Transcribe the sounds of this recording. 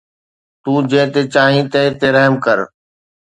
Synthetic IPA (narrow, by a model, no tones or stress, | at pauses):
t̪uːd͡ʑeːt̪eːt͡ʃaːɦĩːt̪eɦt̪eːɾəɦmkəɾ